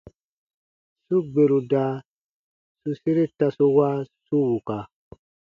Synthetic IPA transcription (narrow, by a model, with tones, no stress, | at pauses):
su˦ɡ͡be˨ɾu˨da˨˦ | su˦si˦ɾi˦ta˧su˦wa˦su˦wu˨ka˨